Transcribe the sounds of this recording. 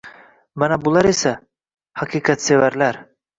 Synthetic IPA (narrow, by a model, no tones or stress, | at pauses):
manæbulˠɑɾisæ | hɑqʰiːqʰat̪sevæɾlæɾ